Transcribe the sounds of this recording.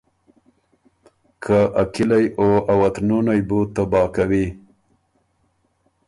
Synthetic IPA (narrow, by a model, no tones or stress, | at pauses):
kʰaʔakɪlajoawat̪nunajbut̪ːabɑkawi